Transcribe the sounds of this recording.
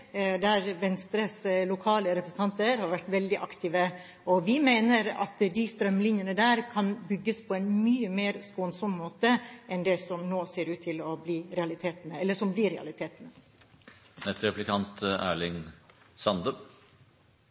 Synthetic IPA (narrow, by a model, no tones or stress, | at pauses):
d̪æɾʋɛnst̪ɾəslʊkʰɑːləɾɛpɾəsn̩t̪ʰɑnt̪əɾhɑɾʋæʈʋɛld̪ɪʔɑkt̪iːʋə | ɔʋɪmeɪnəɾɑ̰t̪d̪ɪst̪ɾœmlɪnjənəd̪æːɾkʰɑnbʏɡːəspʰɔɛnmyːəmeːɾskoːnsɔmmoːt̪əʔɛnd̪ɛsɔmnoːseːɾʉːt̪ʰːɪlɔbliːɾɛɑlɪt̪ʰeːt̪ənəɛlːəʂɔmbliːɾɛɑ̰lɪt̪ʰeːt̪ənə | nɛst̪ɾɛplɪkʰɑnt̪æ̰ːɭɪŋ | sɑnd̪ə